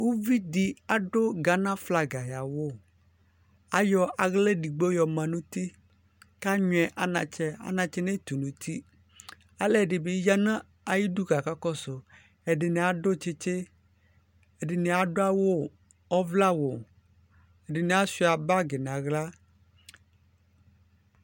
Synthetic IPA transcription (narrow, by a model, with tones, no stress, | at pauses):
wo˦vi˦di˨a˨ɖo˦ɡa˨nã˦fla˨ɡa˨ja˨wo˦˨ | a˦jɔ˨a˨ɣle˦ɖi˨ɡ͡bo˦jɔ˨mã˨nũ˦t̪i˦ | ka˦ɲw̃ɛ˨ʔa˦nã̰˨t͡ʃɛ˦a̰˦nã˨t͡ʃɛ˦ne˦t̪u˨nũ˨t̪ʰi˦ | a˦lɛ˦˨ɖɪ˨be˨˦ja˦nã˦ | a˨ji˦du˦ɡa˨ka˦kɔ˦so˨ | ɛ˨ɖɪ˨nɛ˨a˨ɖo˦t͡ʃe˦t͡ʃe˦ | ɛ˨ɖɪ˨ne˨a˨ɖo˦a˦wo˦ | ɔ˦vla˦wo˨ | ɛ˨ɖɪ˨ne˨a˦si˦a˨ba˦ɡe˨nã˨ɣla˦